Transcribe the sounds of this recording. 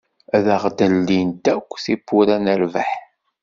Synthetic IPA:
æðəʁd̪əlːind̪ækʷːθibːuɾænəɾvəħ

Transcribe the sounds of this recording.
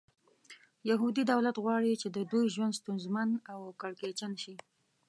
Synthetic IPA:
jaɦud̪id̪awlat̪ɣwɑɽit͡ʃed̪əd̪ujʒwand̪st̪unzmanawkaɽket͡ʃanʃi

